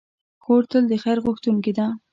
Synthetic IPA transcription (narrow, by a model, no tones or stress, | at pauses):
xoɾt̪əld̪əxajɾɣʊxt̪uŋked̪a